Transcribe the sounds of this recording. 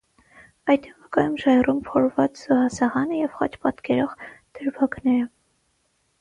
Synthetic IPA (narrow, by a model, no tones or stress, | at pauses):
ɑjt̪ɛvəkɑjumʒɑɛrumpʰɔɾvɑt͡sz̥uhɑsɑʁɑnəjɛvχɑ̰t͡ʃpɑt̪kɛɾɔʁd̪̥əɾbɑknɛɾə